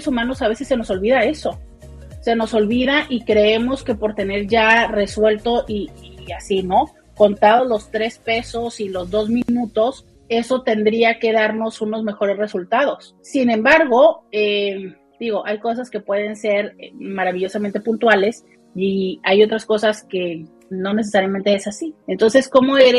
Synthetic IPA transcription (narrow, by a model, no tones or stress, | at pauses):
sumãno̞saβ̞e̞se̞sːe̞no̞so̞lβiðae̞so̞ | se̞no̞so̞lβiðaʔikɾe̞emo̞ske̞po̞ɾt̪e̞ne̞ɾʝare̞swe̞lt̪o̞ʔiːasino̞ | ko̞nt̪aðozlo̞st̪ɾe̞spe̞so̞silo̞zðo̞zmĩnut̪o̞s | e̞so̞t̪e̞nd̪ɾiake̞ðaɾno̞suno̞zme̞xo̞ɾe̞sre̞sult̪aðo̞sːinẽ̞mbaɾɣo̞e | d̪̥iɣ̞o̞ʔajko̞s̬aske̞pwe̞ð̞e̞nse̞ɾmaɾaβiʝo̞samẽnt̪e̞punt̪wale̞s | iajo̞t̪ɾasko̞saske̞ | no̞ne̞s̬e̞saɾjament̪eesasient̪o̞nse̞sko̞mo̞eɾ